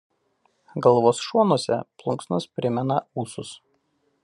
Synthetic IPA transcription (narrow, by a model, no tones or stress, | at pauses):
ɡɐlˠʋoːsʃuɔnuɔsʲɛ̰plˠʊŋksnɐspʲɾʲɪmʲɛnɐuːsʊs